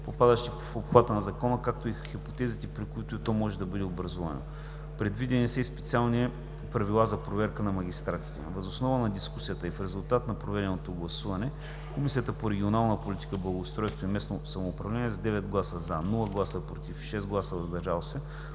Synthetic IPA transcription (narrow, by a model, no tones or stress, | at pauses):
popad̪əʃt̪i | fopxvat̪ənɐzɐkɔnəkak̚t̪oixipo̥t̪ɛzit̪ɛpɾikʊit̪ʊit̪ɔmɔʒɛd̪ɐbɤd̪ɛobɾɐzuvɐ̰no̰ | pɾɛd̪vid̪ɛnisɛispɛt̪sialˠni | pɾɐvilˠazɐpɾovɛɾkənɐmɐɡ̟ʲist̪ɾat̪i̥t̪ɛ̰vəzosnɔvənɐd̪iskusijət̪əifɾɛzʊlˠt̪at̪nɐpɾovɛd̪ɛnot̪oɡlˠɐsuvɐnɛ | komisiət̪əpoɾɛɡʲionalˠnəpolʲit̪i̥kəblˠɐɡoːst̪ɾɔjst̪voimɛsnosɐmoːpɾɐvlʲɛnʲiɛzɐd̪ɛvɛd̪ɡlˠasəzanɔlˠəɡlˠasəpɾot̪ifʃɛsɡlˠasəvɐzd̪ɐɾʒalˠosɛ